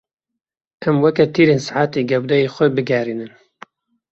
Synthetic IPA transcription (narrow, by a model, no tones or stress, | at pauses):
ʔɛmwɛkɛt̪ʰiːɾeːnsaʕaːt̪eːɡɛwd̪ɛjeːxʷɛbɨɡɛɾiːnɨn